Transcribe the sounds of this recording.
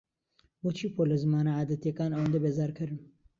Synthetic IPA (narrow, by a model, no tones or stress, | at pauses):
bot͡ʃʰiːpʰoːlezɨmɑːnaːʕaːd̪ɛt̪jekɑːnawnd̪ebeːzɑːɾkʰɨɾɨn